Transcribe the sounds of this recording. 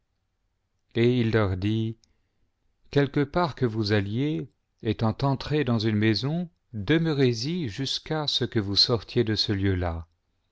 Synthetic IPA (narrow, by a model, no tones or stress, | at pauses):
eilːœʁd̪i | kʲɛlkəpaʁkəvuzalje | et̪ɑ̃t̪ɑ̃t̪χed̪ɑ̃zynmezɔ̃ | d̪əməʁeziʒyskasəkəvusɔʁt̪jed̪əsəljøla